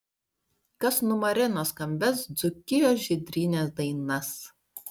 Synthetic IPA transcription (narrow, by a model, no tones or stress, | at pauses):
kɐsnʊmɐɾʲɪnoːskɐmʲbʲɛsd̪zʊkʲɪjoːsʒʲɪd̪ʲɾʲiːnʲeːsd̪ɐɪnɐs